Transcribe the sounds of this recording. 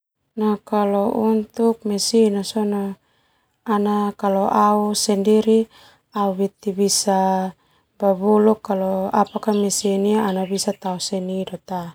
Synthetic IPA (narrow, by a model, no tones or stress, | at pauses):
nakalɔunt̪uk̚mɛsinasɔnaː | nakalɔʔausɛndiɾi | auwit̪ibisa | babulukːalɔapakamɛsiniaanabisat̪ausɛnidɔt̪a